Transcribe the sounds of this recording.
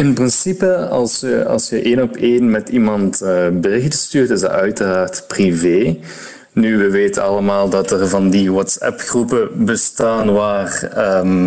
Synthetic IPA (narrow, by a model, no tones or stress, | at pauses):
ɪnprɪnsipəɑ̰lˠsəɑ̰lˠsxəʔeːnɔpeːnmɛtimɑntəbərɪxtəstyːrtɪzdɑ̰œɥtəraːrtpriveː | nyʋəʋeːtənɑləmaːlˠdɑtərvɑndiwɔtsɛ̰pxrupəbəstaːnʋaːrəm